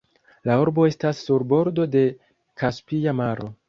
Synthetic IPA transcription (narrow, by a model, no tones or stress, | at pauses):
lauɾbo̞e̞stasːuɾbo̞ɾdo̞de̞ | kaspijamaɾo̞